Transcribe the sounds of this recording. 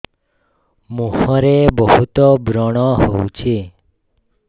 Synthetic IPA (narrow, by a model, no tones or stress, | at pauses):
mũhɔ̃ɾebɔɦut̪ɔbɾɔɽ̃ɔɦout͡ʃʰe